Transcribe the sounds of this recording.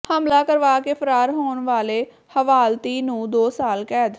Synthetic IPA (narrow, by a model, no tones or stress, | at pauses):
həmlaːkəɾʋaːkeːpʰəɾaːɾɦoːnʋaːleː | həʋaːlt̪iːnũːd̪oːsaːlkɛːd̪